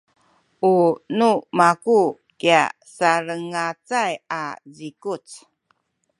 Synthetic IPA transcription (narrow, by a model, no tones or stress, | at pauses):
ʔunumaku | kia̰ | saɾəŋat͡sajazikut͡s